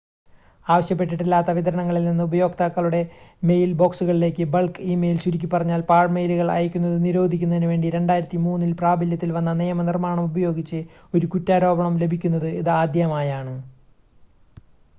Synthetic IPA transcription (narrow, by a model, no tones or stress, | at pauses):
aːʋɐɕjɐp̬ːe̞ʈːiʈːilːaːt̪ːɐʋit̪ɐɾɐɳɐŋːɐɭilninːɨubɐjo̞ːɡ̚t̪aːkːɐɭuɽe̞me̞jlbo̞ːksuɣɐɭile̞ːkʲːɨbɐɭkiːmejilsuɾikʲːipːɐrɐɲːaːlpaːɻmejluɣɐɭɐ̰jɐkʲːunːɐðɨniɾo̞ːd̪ʱikʲːunːɐðinuʋe̞ːɳɖiɾe̞ɳɖaːjiɾɐt̪ːimuːnːilpraːbɐljɐt̪ːilʋɐnːɐnijɐmɐnirmaːɳɐmubɐjo̞ːɡit͡ɕːɨ | o̞ɾukutːaːɾo̞ːbɐɳɐmle̞bʱikʲːunːɐðɨiðɨaːd̪ʱjɐɐmaːjaːɳɨ